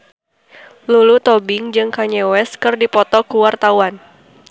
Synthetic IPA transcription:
lulut̪ɔbɪŋd͡ʒɨŋkaɲɛwɛskɨrdipɔt̪ɔkuwart̪awan

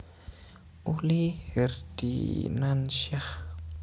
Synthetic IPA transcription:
ulihird̥ḭnanʃah

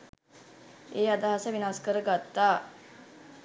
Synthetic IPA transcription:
eːad̪aɦasəʋinaskəɾəɡat̪ːaː

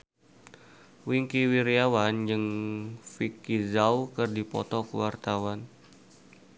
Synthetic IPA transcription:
wiŋkiwiɾiawand͡ʒɨŋfikizawkərdipɔ̰t̪ɔkə̰wart̪awan

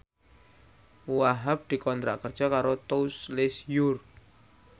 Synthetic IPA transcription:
waɦap̚d̪̥i̤kɔnt̪ɾa̰ʔkərd̥ʒ̥a̤kaɾot̪ouslɪsjur

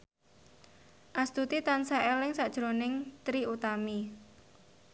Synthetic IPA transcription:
ʔast̪ut̪it̪ansaʔɛlɪŋsaʔd̥ʒ̥ɾonɪŋt̪ɾiut̪ami

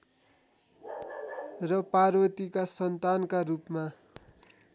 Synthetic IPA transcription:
rʌparwʌt̪ikasʌnt̪ankarupma

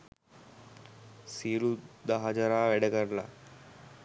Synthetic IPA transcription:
siːlud̪ɐɦɐd͡ʒɐɾaːʋɛɽɐɡɐɾla

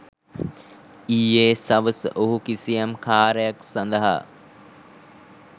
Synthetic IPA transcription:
iːeːsɐʋəsʔoɦukisijamkʰaːɾəjaksɐnd̪əɦa̰

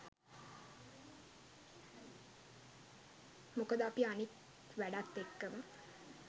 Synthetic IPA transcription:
mukəd̪apianit̪ | ʋæɖat̪ːekːəmə

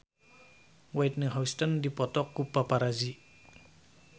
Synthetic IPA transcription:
wajt̪̚nəɦawst̪əndipɔt̪ɔkːupapaɾazi

